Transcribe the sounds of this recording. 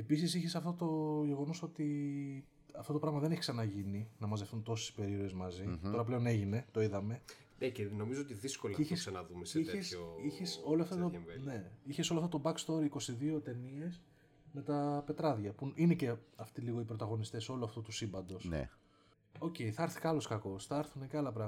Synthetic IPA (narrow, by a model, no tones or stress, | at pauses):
e̞pis̬isiçesɐft̪ot̪o̞ʝe̞ɣo̞no̞so̞t̪i | ɐft̪o̞t̪o̞pɾɐɣmɐðe̞ne̞çiksɐnɐʝininɐmɐzðeft̪unt̪o̞se̥spe̞ɾiɾoezmɐzio̞ɾɐple̞o̞ne̞ʝine̞t̪o̞iðɐme̞ | neceno̞mizoot̪iðiskolɐiçssɐnɐðumesiçesoiçeso̞loɐft̪oone̞içesoloɐft̪ot̪obɐkst̪o̞ɾiko̞siðio̞t̪e̞nie̞s | me̞t̪ɐpe̞t̪ɾɐðʝɐpuine̞ce̞ɐft̪iliɣoipɾo̞t̪ɐɣo̞nist̪e̞so̞loɐft̪ut̪usimbɐnd̪o̞s | o̞ce̞jθɐɐɾθi̥kɐlo̞skɐko̞sθɐɐɾθuneceɐlɐp̬ɾɐɣ